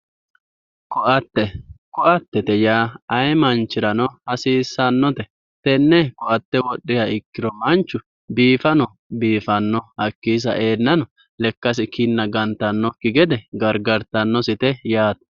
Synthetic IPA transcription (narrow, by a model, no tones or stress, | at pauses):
kɔʔɐt̪ːɛkɔʔɐt̪ːɛt̪ɛjaːɐjmɐnt͡ʃːɪɾɐnɔhɐsiːsːɐnːɔt̪ɛ | t̪ɛnːɛkɔʔɐt̪ːɛwɔɗːɪjaɪkːɪɾɔmɐnt͡ʃːʊ | biːfɐnɔ | biːfɐnːɔhɐkːiːs̬ɐ̰ʔe̞ːnːɐnɔ | lɛkːɐs̬ɪkɪnːɐɡɐnt̪ːɐnːɔkɪɡɛd̪ɛɡɐɾɡɐɾt̪ɐnːɔsɪt̪ɛjaːt̪ɐ̥